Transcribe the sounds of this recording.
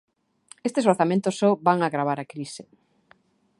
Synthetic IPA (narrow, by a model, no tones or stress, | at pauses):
est̪esoɾθamẽnt̪ʊsɔbaŋaɣɾaβ̞aɾakɾisɪ